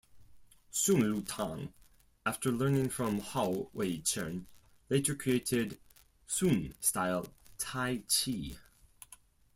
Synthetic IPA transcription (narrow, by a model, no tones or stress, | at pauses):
sũnlutʰɑ̰̃ŋ | æftʰə˞lɜ̃˞nɪ̃ŋfɹʌ̃mhaʊweɪt͡ʃʰɜ̰̃˞n | leɪɾə˞kʰɹ̥ieɪɾɪd | sũnstaɪlˠtʰaɪt͡ʃʰi